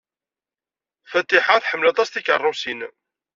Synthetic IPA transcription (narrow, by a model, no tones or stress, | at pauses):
fæt̪ːiħaθħəmːlɑt̪ˤɑst̪ikə̰rˤːʊsin